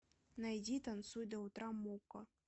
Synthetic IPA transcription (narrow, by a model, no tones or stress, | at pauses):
najd͡zʲit̪ant̪sujd̪ɐwt̪ɾamɔkɐ